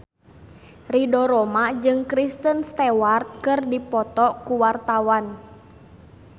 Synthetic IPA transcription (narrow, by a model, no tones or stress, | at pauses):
ridɔɾɔmad͡ʒɨŋkɾist̪ənst̪ɛwart̪̚kɨrdipɔt̪ɔkuwart̪awan